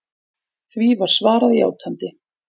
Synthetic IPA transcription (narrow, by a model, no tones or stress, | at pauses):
θvivaɾ̥svaːɾaðia̰ːwt̪ʰant̪ɪ